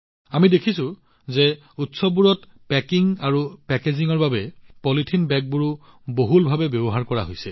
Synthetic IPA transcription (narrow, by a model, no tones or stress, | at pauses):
amidekʰisʊ̃ | ze | utsɔbuɹɔt | pɛkiŋaɹupɛkeziŋɔɹbabɛpɔlitʰinbɛk̚buɹu | boɦulbʱabɛbjɔbɔɦaɹkɔɹa̰ɦojsɛ